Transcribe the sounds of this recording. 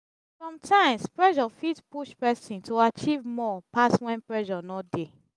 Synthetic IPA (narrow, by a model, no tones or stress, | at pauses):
fɹɔ̃mtʰãɪ̃mspɹɛʃɔfitpuʃpɛsĩntoat͡ʃivmɔpaswɛ̃npɹɛʃɔnɔtde